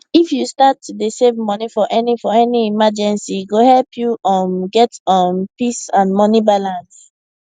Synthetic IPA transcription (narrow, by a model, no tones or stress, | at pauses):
ifjustatdəsevmɔnifɔʔɛnifɔɛniimad͡ʒɛ̃nsiɡohɛlpʰjuʔãnɡɛtɔ̃npisãnmɔnibalãns